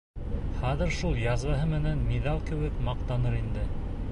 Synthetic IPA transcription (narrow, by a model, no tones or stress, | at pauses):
χæðɘ̆ɾʃulˠjɑzβɑɦɤmɘ̆nænmiðɑlˠkɘ̆wɘkmɑq̚t̪ɑnɤɾind̪ɘ